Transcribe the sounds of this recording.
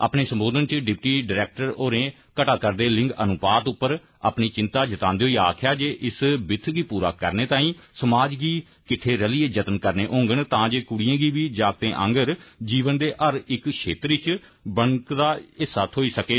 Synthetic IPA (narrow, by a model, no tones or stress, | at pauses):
a̰ːpneːsə̃mboːd̪ənt͡ʃɖɪp̚ʈiːɖəɾɛːk̚ʈəɾoːɾẽː | kəʈaːkəɾd̪eːlɪ̃ŋɡənʊpaːt̪ʊpːəɾ | a̰ːpniːt͡ʃɪ̃nt̪aːd͡ʒət̪ãːnd̪eoːiːaːkʰjaːd͡ʒeːʔɪsbɪt̪ʰːɡiːpuːɾa̰ːkəɾneːt̪aːĩːsəmaːd͡ʒɡiː | kɪʈʰːeːɾɛlieːd͡ʒət̪ənkəɾneːʔõːŋɡəɳt̪ãːd͡ʒeːkʊɽijãːɡiːʋiːd͡ʒaːɡt̪ẽːʔə̰̃ŋɡəɾd͡ʒiːʋənd̪eːʔəɾɪkʃʰḛːt̪ɾɪt͡ʃbəɳkd̪aːɪsaːt̪ʰoːiːsəkeː